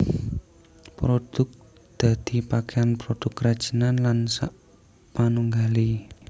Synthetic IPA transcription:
pɾod̥ʊ̤k̚ | d̪̥a̤d̪̥i̤pakeanpɾod̥ʊkːɾad̥ʒ̥ənanlansa̰ʔ | panuŋɡali

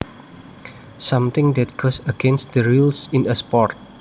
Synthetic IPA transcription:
sãmt̪ɪ̃ŋd̪ɛt̪̚ɡ̥osəɡɛ̃nst̚d̪əɹulsĩnəspɔrt̪̚

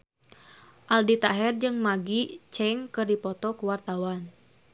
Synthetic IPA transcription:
ʔaldit̪aɦɛrd͡ʒɨŋmaɡit͡ʃɛŋkɨrdipɔt̪ɔkuwart̪awan

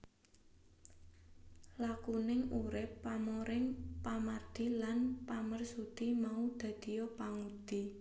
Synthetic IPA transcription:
lakunɪŋuɾɪpːamoɾɪŋpamard̪̥ilanpamərsud̪̥imaud̪̥ä̤d̪̥i̤jɔpaŋud̪̥i

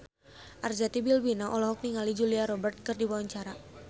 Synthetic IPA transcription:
ʔard͡ʒat̪ibilwinaʔɔlɔɦɔk̚niŋalid͡ʒuliaɾɔbərt̪̚kɨrdiwawaɲt͡ʃaɾa

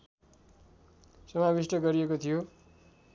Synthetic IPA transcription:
sʌmabisʈʌɡʌɾiekot̪ʰijo

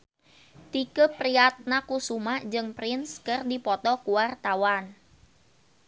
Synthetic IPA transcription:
t̪ikəpɾiat̪̚nakusumaʔd͡ʒɨŋpɾɪnskɨrdipɔt̪ɔkuwart̪awan

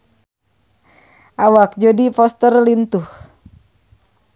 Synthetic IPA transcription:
ʔawak̚d͡ʒodifɔst̪ərlint̪uh

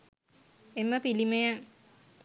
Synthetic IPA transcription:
emːəpilimeja

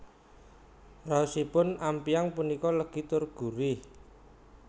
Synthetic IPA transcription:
rausipʊnampiaŋpunikɔləɡ̥i̤t̪ʊrɡ̥ṳɾɪh

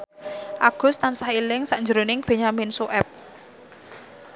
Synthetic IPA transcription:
ʔaɡ̥ʊ̤st̪ansahilɪŋsaʔnd͡ʒəɾonɪŋb̥e̤ɲaminsuʔɛp̚

